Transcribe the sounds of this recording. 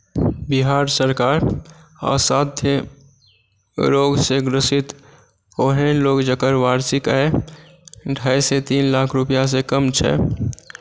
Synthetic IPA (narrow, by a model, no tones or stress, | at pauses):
biɦaɾsəɾkaɾ | a̰sat̪ʰːe | ɾoɡsẽɡɾəsit̪ | oɦelokd͡ʒəkəɾʋaɾsikae | ɖʱajset̪inlakʰɾupjas̬ekəmt͡ʃʰɛ̰